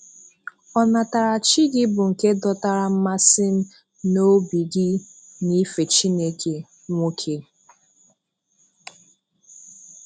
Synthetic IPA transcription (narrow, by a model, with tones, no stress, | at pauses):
ɔ˨na˨ta˨ɾa˨t͡ʃi˦ɡɪ˦bʊ˨ŋ̩˨ke˦dɔ˦ta˦ɾa˨m̩˦ma˦sɪ˦n̩˦ | no˦bi˨ɡɪ˦ | ni˦fe˨t͡ʃi˦ne˦ke˨ | ŋʷo˦kʰe˦